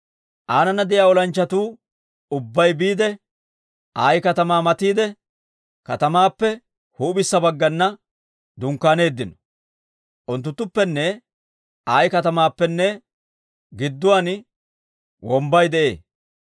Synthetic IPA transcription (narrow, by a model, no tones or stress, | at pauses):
ʔaːnɐnːɐd̪ɪjaːɔlɐnt͡ʃːɐt̪uː | ʊbːɐjbiːd̪ɛ | ʔaːjkɐt̪ɐmaːmɐt̪iːd̪ɛ | kɐt̪ɐmaːpːɛ | huːbɪsːɐbɐɡːɐnːɐ | d̪ʊŋkːaːne̞ːd̪ːɪnɔ̥ | ʔʊnt̪ːʊt̪ːʊpːɛnːɛ | ʔaːjkɐt̪ɐmaːpːɛnːɛ | ɡɪd̪ːʊwaːn | wɔmbɐjd̪ɛʔe̞̰ː